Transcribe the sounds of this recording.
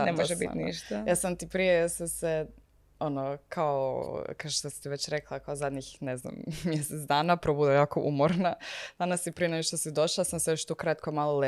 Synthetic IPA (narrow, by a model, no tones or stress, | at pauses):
nemoʒebḭnḭʃt̪ajaːsamt̪ipɾijesase | onokʰaokaoʃt̪osi̥t̪iʋet͡ɕɾeklˠakaozad̪ɲixnezna̰mmjeset̪sd̪aːnapɾobud̪ajaːkoʔumoɾnad̪anasipɾijeneɡoʃt̪osid̪o̞ʃlasamsejoʃt̪ukɾat̪komaːlˠole